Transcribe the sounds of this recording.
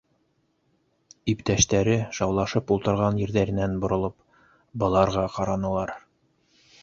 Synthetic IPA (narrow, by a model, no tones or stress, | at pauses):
ipt̪æʃt̪æɾɘʃɑwlˠɑʃɤpulˠt̪ɤ̆ɾʁɑnjĭɾðæɾɘ̆nænbŏɾŏlˠɤp̚ | bɤ̆lˠɑɾʁɑqɑɾɑnɤ̆lˠɑɾ